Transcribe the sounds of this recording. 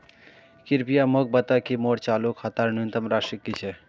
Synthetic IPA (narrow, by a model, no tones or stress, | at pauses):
kiɾpijamok̚bɐt̪akimoːɽt͡ʃaːlukhɐt̪aːɾnunt̪əmɾaːʃikːit͡ʃʰe